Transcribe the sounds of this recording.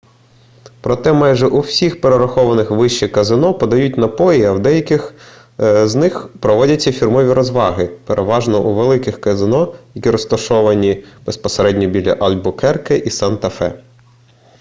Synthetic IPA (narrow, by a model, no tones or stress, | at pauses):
pɾɔt̪ɛmɑjʒɛʔuwsʲixpeɾeɾɐxɔʋɐnɪxʋɪʃt͡ʃikɐzɪnɔpɔd̪ɐjut̚ʲnɐpɔjiɐwd̪ɛjɐkʲɪx | znɪxpɾɔʋɔdʲɐt͡sʲːɐfʲirmɔʋʲiɾɔzʋɑɦɪpeɾʔeʋɑʒnɔʔuʋelˠɪkɪxkɐzɪnɔjɐkʲiɾɔst̪ɐʃɔʋɐnʲib̥espɔseɾɛdʲnʲɔbʲilʲɐ̰ʔɐlʲbʊkɛrkeʔisɑnt̪ɐfɛ̰